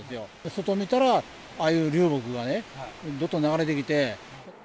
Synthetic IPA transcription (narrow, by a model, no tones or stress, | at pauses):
esɨjo̞so̞t̪o̞mʲit̪aɾa | aːjɯːɾʲɯːbo̞kɯ̟ɡane̞d̪o̞t̪ːonaɡaɾe̞d̪e̞kʲit̪e̞